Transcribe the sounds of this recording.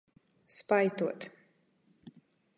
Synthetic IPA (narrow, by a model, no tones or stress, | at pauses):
spajt̪uɔt̪ʰ